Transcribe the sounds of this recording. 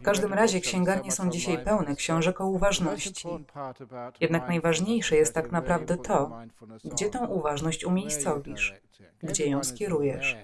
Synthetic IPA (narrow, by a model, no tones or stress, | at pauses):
fkaʐd̪ɘmɾaʑɛkɕɛ̃ŋɡaɾɲɛsɔ̃w̃d͡ʑiɕajpɛwnɛkɕɔ̃w̃ʐɛkɔuvaʐnɔɕt͡ɕi | jɛd̪naknajvaʐɲejʂɛjɛst̪ːaknapɾavd̪ɛt̪ʰɔɡd͡ʑɛt̪ɔ̃w̃ʔuvaʐnɔɕt͡ɕumʲejst̪sɔvʲiʂ | ɡd͡ʑɛjɔ̃w̃skʲɛɾujɛʂ